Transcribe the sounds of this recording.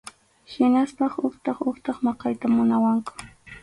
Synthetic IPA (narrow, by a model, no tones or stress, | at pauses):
hɪnaspɑχʊχt̪ɑχʊχt̪ɑχmɑqɑjt̪amʊnawaŋkʊ̥